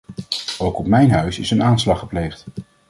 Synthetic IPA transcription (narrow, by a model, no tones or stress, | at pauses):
owkɔpmɛjnɦœɥsɪsənaːnslɑχəplejχt